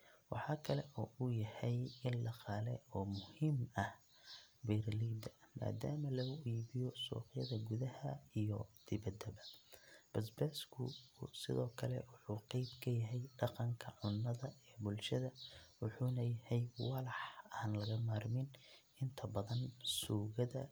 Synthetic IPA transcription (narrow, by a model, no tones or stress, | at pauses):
wɑ̰ħɑːkʰɐlɛʔɔːʊjɐhɛjɪnlɑqɑːlɛ̰ɔːmʊhɪmɐh | bɛɾliːd̪ɐma̰ːd̪aːmɐlɐɣʊiβɪjɔsṵːqjɐðɐɡʊðɐhɐijɔ̰d̪̥ɪβɐd̪ɐbɐb̥ɐsbɛːskʰʊsɪ̰ðɔːkʰɐlɛ̰wʊħuːqɑjbkʰɐjɐɦɛjɖɑqɑŋkʰɐʕʊnːɐðɐɛbʊlʃɐðɐwʊħuːnɐjɐhɛjwɑlɑħaːnlɐɣɐmaːrmɪn | ɪnt̪ʰɐbɐðɐnsuːɣɐðɐ